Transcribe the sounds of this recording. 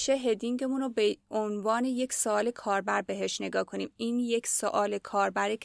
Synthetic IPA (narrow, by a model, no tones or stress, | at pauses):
ʃeɦed̪iŋɟe̞munobeonvɒːne̞je̞cʰsoɒːle̞kʰɒːɾbæɾbe̞ɦe̞ʃne̞ɡɒːkʰo̞niːmiːnjecʰsoʔɒːlekʰɒːɾbæɾikʰ